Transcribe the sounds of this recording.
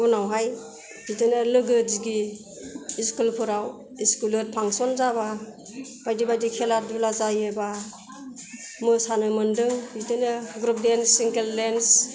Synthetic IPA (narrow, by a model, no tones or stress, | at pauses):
unawɦaj | bitɯnɯlɯɡɯziɡiː | skulpʰɯɾaw | iskulɯɾpʰaŋsɔnzaba | bajdibajdikʰeladulazajeba | mɯsanɯmɯndɯŋbitɯnɯɡɾup̚densiŋkeldens